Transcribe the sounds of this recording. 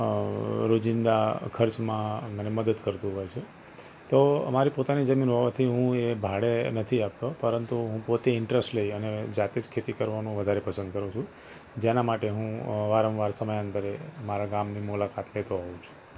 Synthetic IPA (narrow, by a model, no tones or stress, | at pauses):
ɾod͡ʒɪnd̪akʰəɾt͡ʃmãməneməd̪əd̪kəɾt̪ũɦɔjt͡ʃʰe | t̪oə̰maɾipot̪anid͡ʒəminɦoʋat̪ʰiɦũebʱaɽenət̪ʰiapt̪opəɾənt̪uɦũpot̪eɪɳʈɾesʈleiəned͡ʒat̪ed͡ʒkʰet̪ikəɾʋanũʋəd̪ʱaɾepəsə̃nd̪̚kəɾũt͡ʃʰũ | d͡ʒenamaʈeɦũʋaɾəʋʋaɾsəməjə̃nt̪əɾemaɾaɡamnimulakat̪let̪oɦɔũt͡ʃʰu̥